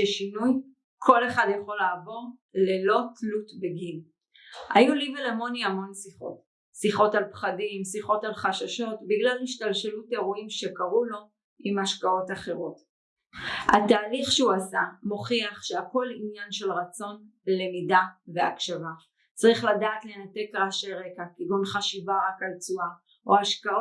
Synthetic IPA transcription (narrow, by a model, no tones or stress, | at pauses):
ʃeʃinuj | kʰo̞le̞χadjaχo̞laːvo̞ʁle̞lo̞tlutbeɡil | ha̰julivelamo̞niamo̞nsiχo̞̰t | siχo̞talpχadimsiχo̞talχaʃaʃo̞tbiɡlaliʃtalʃelute̞ʁuimʃe̞kaʁulo̞ | imhaʃkao̞taχe̞ʁo̞t | hataːliχʃeuasamoχiaχʃeako̞linjanʃe̞lʁat͡so̞n | le̞midave̞akʃava | t͡sʁiχladaːtle̞nate̞kʁaʃeʁe̞kakiɡonχaʃivaʁakalt͡sua | ʔohaʃkao